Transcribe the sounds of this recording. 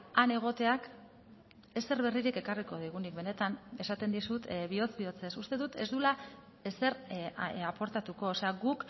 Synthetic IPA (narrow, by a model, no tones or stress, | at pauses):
ane̞ɣ̞o̞t̪e̞ak | e̞se̞ɾβe̞riɾike̞kariko̞ðiɣ̞unik̚be̞ne̞t̪ane̞sat̪e̞nd̪isut̪βio̞t͡sbio̞t͡se̞sust̪e̞ðut̪e̞zd̪ula | ese̞ɾapo̞ɾt̪at̪uko̞ːse̞aɣuk